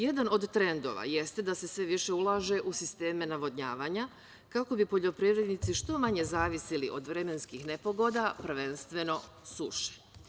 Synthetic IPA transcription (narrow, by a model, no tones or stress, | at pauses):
je̞d̪ano̞d̪t̪ɾe̞nd̪o̞̰ʋa̰je̞st̪ed̪ase̞sʋe̞ʋiʃe̞ulˠaːʒe̞ʔusist̪e̞ːme̞naʋo̞d̪ɲaːʋaɲa | kako̞bipo̞ʎo̞pɾiʋɾe̞d̪nit̪siʃt̪o̞maɲe̞zaːʋisiliʔo̞d̪ʋɾe̞me̞nskixne̞po̞ɡo̞d̪apr̩ʋe̞nst̪ʋe̞no̞ | sṵʃe̥